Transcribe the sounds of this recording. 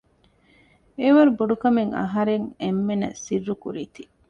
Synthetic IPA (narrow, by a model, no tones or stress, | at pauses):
eʋɐɾubuɖukɐmeŋɐ̰ɦɐɾeŋemːenɐ̰sirːukṵɾiːt̪i